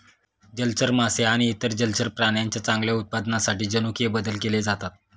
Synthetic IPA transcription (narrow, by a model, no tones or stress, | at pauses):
d͡ʑəlt͡səɾmaseaɽ̃iːt̪əɾd͡ʑəlt͡səɾpɾaɳjaɲt͡ɕjat͡sãŋɡljaut̪̚pad̪nasaʈiːd͡ʑənukijebəd̪əlkeled͡zat̪at̪̚